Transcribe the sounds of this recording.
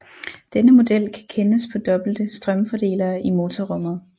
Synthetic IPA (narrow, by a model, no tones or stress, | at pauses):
d̥enəmo̝d̥el̰kʰæ̥kʰenəspʰɒ̽d̥ɒ̽b̥l̩d̥əsd̥ʁɶmfɒd̥e̝̰ːlɐːʔimo̝ːt͡sʰɒʁɔ̽m̰ð̩ˠ